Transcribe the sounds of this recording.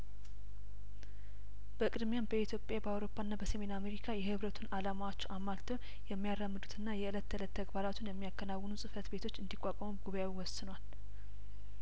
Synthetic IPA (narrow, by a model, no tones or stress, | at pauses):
b̥əkʼɨd̪mejanbəit̪ʰjo̞pʼjabəawɾo̞pʰːaɨnːabəsəme̞name̞ɾikʰajɛhɨβɾət̪ʰunalamawot͡ʃːamːalt̪ʰəw | jɛmːijarːəmːɨd̪ut̪ʰɨnːajɛɨlət̪ːəɨlət̪ʰːəɡbaɾat̪ʰunjɛmːijakːənawːənusʼɨfət̪be̞t̪ʰo̞t͡ʃːɨnd̪ikʷʼːakʼəmuɡuβajawiwɔsɨnwal